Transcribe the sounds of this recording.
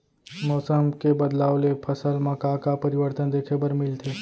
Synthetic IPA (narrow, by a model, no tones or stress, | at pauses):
mɔːsəmkebɐd̪laːwlepʰɐsəlmɐkakapɐɾɪwəɾt̪ənd̪eːkʰebəɾmɪlt̪ʰeː